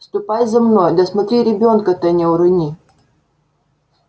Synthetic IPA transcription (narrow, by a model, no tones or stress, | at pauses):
st̪ʊpajzɐmnojd̪ɐsmɐt̪ɾʲiɾʲɪbʲonkət̪ɛnʲɛʊɾɨnʲi